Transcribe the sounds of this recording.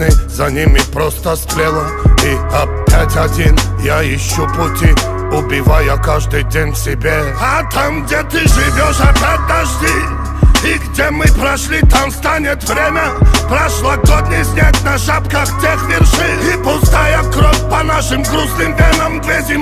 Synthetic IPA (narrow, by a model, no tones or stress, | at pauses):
nɨzɐnʲimʲɪpɾost̪əsk̪lʲelˠə | iɐpʲːatʲɐdʲinjaɪɕːupʊtʲi | ʊbʲɪvajakaʐd̪ɨjdʲenʲfsʲɪbʲe | ɐt̪amɡdʲet̪ɨʐɨvʲoʂɐpʲat̪̚d̪aʐd̪ʲi | iɡdʲemɨpɾɐʂlʲit̪amst̪anʲɪt̪vɾʲemʲəpɾɐʂlˠɐɡod̪ʲnʲɪsʲnʲatʲnɐʂapkəxtʲexvʲɪrʂɨipʊst̪ajəkɾofʲpɐnaʂɨmɡɾuslɨmdʲenəmd̪vʲezʲɪm